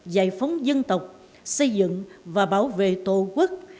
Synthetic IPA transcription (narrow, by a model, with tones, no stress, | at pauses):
za̰ː˧˨jfə˨˦wŋ͡mzə˧nt̪ə˨˩wk͡p̚ | sə˧jzɨ̰˧˨ŋvaː˨˩ɓaː˧˩wvḛ˧˨t̪o˧˨kwə˦˥k̚